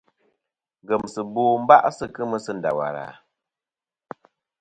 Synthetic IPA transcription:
ŋ˨ɡə˨msɨ˨boː˦˨m̩˦ba˦ʔsɨ˦˨kɨ˦mə˦sɨ˦˨n̩˨da̰˨wa̰˨ɾa̰˨

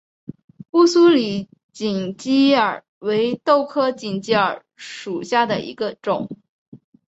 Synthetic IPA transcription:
pu˥˧su˥li˨˩˦ | t͡ɕi˨˩ŋt͡ɕi˥ə˞˨˩ | we˧˥ɪt̪o˥˩ʊkʰɤ˥t͡ɕi˨˩ŋt͡ɕi˥ə˞˨˩ | ʂu˨˩ɕja˥˩d̪ə̰˩ʔḭ˧˥ɡə˧ʈ͡ʂʊ˨˩˦ŋ

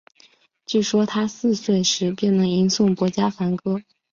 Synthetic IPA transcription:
t͡ɕy˥˩ʂwɔ˥t̪ʰa˥sɹ̩˥˧swe˥˩ɪʂɻ̩˧˥pjɛ˥˩nnɤ˧˥ŋi˧˥nsʊ˥˩ŋkwɔ˧˥t͡ɕja˥fa˧˥nkɤ˥

